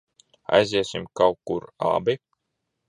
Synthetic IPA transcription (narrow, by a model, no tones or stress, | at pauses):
a̰jzʲiɛsimkawkːuɾa̰bi